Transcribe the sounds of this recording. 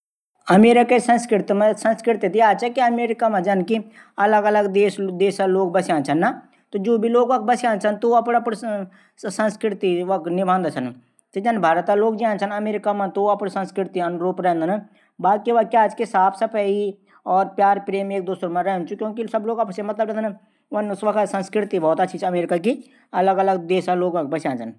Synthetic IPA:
ɐmeːɾɪkesɐ̃nskɾɪɾt̪msɐ̃nskɾɪɾt̪it̪iaːd͡ʒt͡ʃakiɐmeːɾɪkamãd͡ʒɐnki | ɐləɡɐləɡd̪eːsd̪eːsaloːɡbɐsãːnt͡ʃʰɐnːa | t̪od͡ʒoːbʱiloːɡʋɐk̚bɐsãːnt͡ʃʰɐnt̪oɐpɽɐpɽ | sɐ̃nskɾɪɾt̪iʋɐknɪbʱãːnd̪at͡ʃʰɐn | t̪d͡ʒɐnbʱaːɾt̪aloːɡd͡ʒãːnt͡ʃʰɐnɐmeːɾɪkamãt̪oɐpɽsɐ̃nskɾɪɾt̪iɐnɾuːpɾɛ̃ːnd̪n | baːkiʋakjaːd͡ʒkesaːpʰsɐpəi | ɔːɾpjaːɾpɾeːmeːk̚d̪uːsɾmãɾɛːnt͡ʃukjõːkisɐbloːɡɐpɽsemɐt̪ləbɾɛ̃nn | ʋɐnsʋɐkʰsɐ̃nskɾɪt̪ibʱɔɦːt̪at͡ʃʰid͡ʒɐmeːɾɪkaki | ɐləɡɐləɡd̪eːsaloːɡɐ̃k̚ʰbɐsjãːnt͡ʃʰən

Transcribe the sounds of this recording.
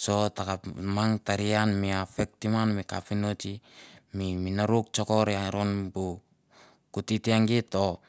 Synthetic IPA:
so̞takamaŋtaɾianmiafek̚timanmika̰pinotimiminaɾuk̚t͡ʃo̞ko̞ɾeaɾonbu | kutitiaŋɡito̞

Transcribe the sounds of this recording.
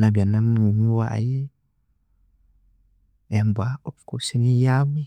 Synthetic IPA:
nabianamumiwaʔa̰je | ɛmbaopkosenijami

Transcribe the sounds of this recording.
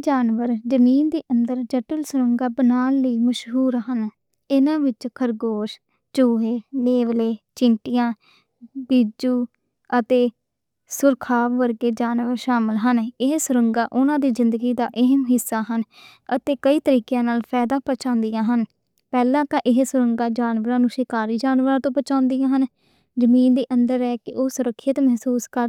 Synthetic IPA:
d͡ʒaːnʋəɾd͡ʒəmiːnd̪eːʔənd̪əɾd͡ʒəʈəlsʊɾəŋɡaːbənaːnləiːməʃɦuːɾɦən | ɪnãːʋɪt͡ʃkʰəɾɡoːʃ | t͡ʃoːɦeːleːʋleːt͡ʃɪɳʈɪjãː | bid͡ʒuː | ət̪eː | sʊɾkʰaːʋːəɾɡeːd͡ʒaːnʋəɾʃaːmɪlɦənɪɦsʊɾəŋɡaːʔʊnãːd̪iːzɪnd̪əɡiːd̪aːʔɪɦəmɦɪsːaːɦən | ət̪eːkəiːt̪əɾiːkjãːnaːlpʰɛːd̪ãːpət͡ʃãːnd̪ijãːɦən | pɛːlãːkãːʔɪɦsʊɾəŋɡaːd͡ʒaːnʋəɾãːnũːʃeːkaːɾiːd͡ʒaːnʋəɾãːt̪õːpət͡ʃãːnd̪ijãːɦən | d͡ʒəmiːnd̪iːʔənd̪əɾɛːkɪʔoːsʊɾəkʰːjət̪mɛɦsuːskəɾ

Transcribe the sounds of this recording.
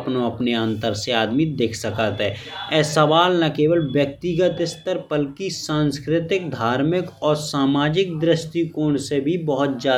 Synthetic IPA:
pnoɐpneə̃nt̪əɾseaːd̪mid̪eːkʰsəkət̪ɦɛːɛːsɐʋaːlnɐkeːʋəlʋjək̚t̪ɪɡət̪ɪst̪əɾpəlkisãːnskɾɪt̪ɪk̚d̪ʱaːɾmɪkɔːɾsaːmaːd͡ʒɪk̚d̪ɾɪsʈ̪ikoːɳsebʱibəɦʊt̪̚d͡ʒaː

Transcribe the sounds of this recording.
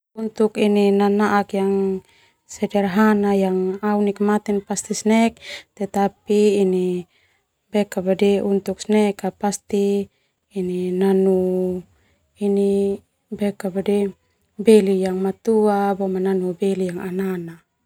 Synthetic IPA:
unt̪ukininanaʔakjaŋ | sɛdɛrɦanajaŋaunikmat̪ɛnpast̪isnɛk̚t̪ɛt̪apiːni | bɛkabadɛunt̪uksnɛkapast̪iː | ninanu | ini | bɛkabadɛ | bɛlijaŋmat̪uabɔmananubɛlijaŋanana

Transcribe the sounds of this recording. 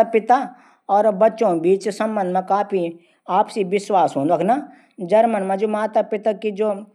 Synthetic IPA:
apɪt̪a | ɔːɾbɐtːʃõbiːt͡ʃsɐ̃mbə̃nd̪mẽkaːpʰi | aːpsiʋɪswaːsɦõːnɾɐkʰna | d͡ʒɐɾmənmẽd͡ʒoːmaːt̪apɪt̪akid͡ʒoː

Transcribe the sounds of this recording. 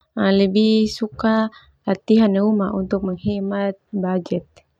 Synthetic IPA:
alɛbisuka | lat̪iɦanɛumaunt̪uk̚məŋhɛmat̪̚bad͡ʒɛt̪̚

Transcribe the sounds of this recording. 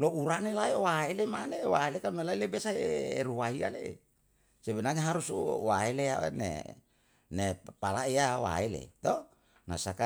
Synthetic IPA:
louɾanelaewaelemanewaelekalunelailebesaeɾuwaɦia̰lḛ | sebenaɲaɦaɾusuwaelea̰nḛ | nepalaijawa̰elḛt̪o | na̰saka

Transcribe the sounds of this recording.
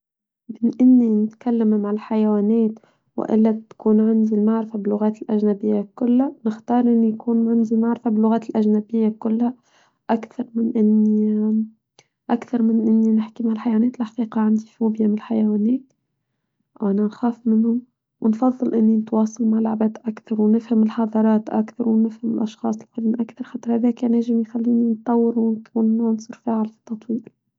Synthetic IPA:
bɪnʔɪnːinɪt̪kalːammaʕɪlħajwæːnɛːt̪ | wɪ̰ʔɪ̰lːæb̚t̪kuːnʕɪnd̪ilmaʕɾɪfabɪlːʊɣaːt̪ɪlʔæʒnabɪjːakʊlːanɪxt̪ɑːɾˤʔɪnːijkuːnʕand̪ilmaʕɾɪfabɪlːʊɣaːt̪ɪlʔæʒnabɪjːakʊlːha | ʔakθɑɾˤmɪnʔɪnːi | ʔakθɑɾˤmɪnʔɪnːinɪħkimaʕalħajwæːnɛːt̪ɪlʔħɑ̥qiːqɑʕand̪ifuːbjamɪnɪlħajawæːnɛːt̪ | ʔwʔænanxaːfmɪnhʊm | wʔɪnfɑðˤːɨlʔɪnːinɪt̪wɑːsˤɑlmaʕlʊʕbæːt̪ʔakθɑɾˤwnɪfhamɪlħɑðˤɑɾˤɑːt̪ʔa̰kθɑɾˤwnɪfhamɪlʔɑʃxɑ̰ːsˤɪlfɪlmʔakθɑɾˤxɑːt̪ɾˤhæðæːkæːnʕaːʒɪmjxalːiːnint̪ˤːɑwːɪɾuwnkʰuːnːɑnsˤɨɾfaːʕɪlfi̥t̪ːɑt̪ˤwiːl

